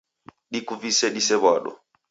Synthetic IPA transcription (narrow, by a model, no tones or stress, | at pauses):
ɗikuvisɛɗisɛβwaɗɔ̰